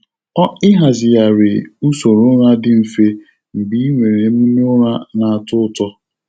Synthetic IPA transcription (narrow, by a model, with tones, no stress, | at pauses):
ɔ˦ɪ˦ɦa˨zɪ˨ja˨ɾe˨u˦so˨ɾʊ˦ɾa˦dɪ˨m̩˨fe˦ | m̩˨bi˦i˦ŋʷe˨ɾe˨˦mi˦nʊ˦ɾa˦na˨a˨tʊ˦tɔ˦